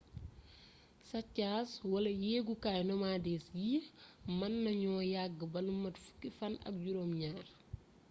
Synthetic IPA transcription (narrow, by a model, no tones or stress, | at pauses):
sɐcːaːswɐlɐjɛːɡukaːjnɔmaːdɛːsjimɐnːɐɲɔːjaɡːəbɐlumːɐtfu̥kːifɐnɐ̰k̚ɟuɾoːmɲaːr